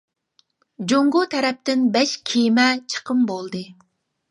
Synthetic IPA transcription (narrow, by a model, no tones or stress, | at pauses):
d͡ʒoŋɡot̪ʰɛɾɛp̚t̪ɪnbɛʃkʲʰijmɛt͡ʃʰə̥qʰəmbolˠd̪ɨ